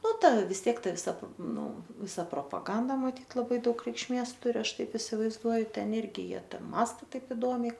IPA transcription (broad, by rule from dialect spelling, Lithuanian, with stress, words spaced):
ˈnʊ ˈtɐ ʋʲɪs ˈtʲiɛk ˈtɐ ʋʲɪˈsɐ ˈnʊ ˈʋʲɪsɐ proːpɐˈɡɐndɐ mɐˈtʲiːt lˠɐˈbɐɪ ˈdɐʊk rʲɛɪkʃʲˈmʲeːs ˈtʊrʲɪ ˈɐʃ ˈtɐɪp ɪsʲɪʋɐɪzˈduɔjʊ ˈtʲɛn ˈɪrʲɡʲɪ ˈjiɛ ˈtɐ ˈmɑːstɐ ˈtɐɪp ɪˈdoːmʲɛɪ